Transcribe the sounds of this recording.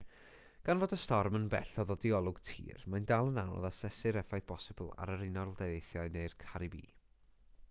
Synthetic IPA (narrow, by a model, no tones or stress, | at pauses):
ɡ̥anvoːdəstɔrmənbɛ̰ɬɔðɔdiɔlˠʊɡ̥tʰḭːrmandalˠənanɔ̰ðasɛsɨɾɛfajðb̥ɔsɪbəlˠa̰ɾəɾɪnɔlˠdejðejθjaɨneɨrkʰaɾibḭː